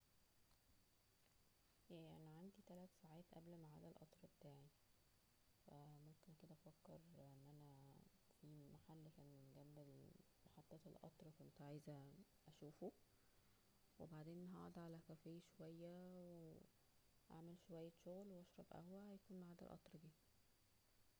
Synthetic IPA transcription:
jæʔænæʕand̪it̪ælæt̪saʕaːt̪ʔæblmaʕa̰ːd̪ælʔɑt̪ˤɾˤɑbet̪aːʕi | fæmomkenked̪æʔæfækːeɾʔenːʔænæfiːmaħalːkæːnmenɡæmbel | mɑħɑt̪ˤːɑːt̪elʔɑ̰t̪ˤɾˤkont̪ʕaːjzæ | ʔæʃuːfo | webaʕd̪eːnɦɑ̰ʕd̪ʕalækæfejːæʃowæjːæwee | ʔa̰ʕmelʃowæjːæʃoɣlweʔɑʃɾˤɑbʔæ̰hwæhæjækuːnmaʕaːd̪æ̰lʔɑ̰t̪ˤɾˤd̪iː

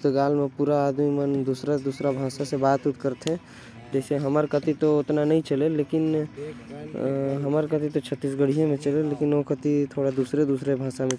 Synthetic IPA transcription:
t̪ɡaːlmẽpuɾaːd̪mimənd̪uːsɾed̪uːsɾabʱãːsasebaːt̪ut̪kəɾt̪ʰɛ̃ | d͡ʒɛːseɦəməɾkət̪it̪oʊt̪nanəɦĩt͡ʃəleleːkɪn | ɦəməɾkət̪it̪ot͡ʃʰət̪ːiːsɡəɽ̤ijõmẽt͡ʃəleleːkinokət̪it̪ʰoːɽad̪uːsɾed̪uːsɾebʱãːsamẽ

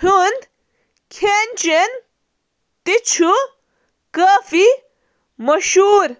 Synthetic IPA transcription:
und̪ | kʰent͡ʃen | t̪it͡ɕʰu | kəːfi | mɐʃuːɾ

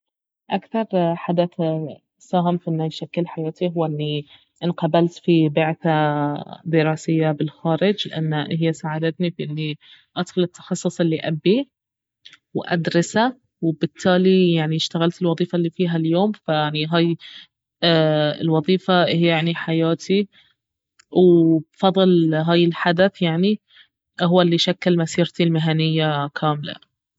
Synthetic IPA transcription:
ʔakθɑɾˤħad̪aθ | saːɦɪmfiʔɪnːajʃakːɪlħajaːt̪iɦʊwːaʔɪnːi | ʔɪnqɑbalt̪fibɪʕθa | d̪ɪɾˤɑːsɪjːabɪlxaːɾɪd͡ʒlɪʔanːaɦɪjːasaʕad̪at̪nifiʔɪnːi | ʔad̪xʊlɪt̪ːɑ̥xɑsˤːʊsˤɪlːiʔabːi | wʔa̰d̪ɾˤɑsa | wbɪt̪ʰːaːlijaʕniʃt̪aɣalt̪ɪlwɑðˤiːfalːiːfiːɦaljoːmfajaʕniɦaːj | ɪ̰lwɑðˤiːfahɪjajaʕniħajaːt̪ʰi | wbfɑðˤɨlɦaːjɪlħad̪aθjaʕni | ɦʊwːalːiʃakːalmasiːɾt̪ilmɪɦanɪjːakʰaːmla̰

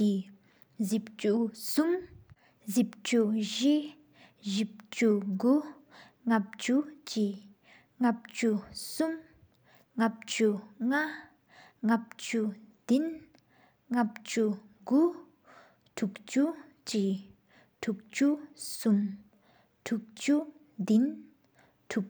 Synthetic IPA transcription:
i | zip̚t͡ʃusum | zip̚t͡ʃuʒi | ʒip̚t͡ʃuɡu | ŋap̚t͡ʃut͡ʃi | ŋap̚t͡ʃusum | ŋap̚t͡ʃuŋa | ŋap̚t͡ʃud̪̥in | ŋap̚t͡ʃu | ɡu | tʰuk̚t͡ʃu | t͡ʃi | tʰuk̚t͡ʃusum | tʰuk̚t͡ʃu | d̪in | tʰuk̚

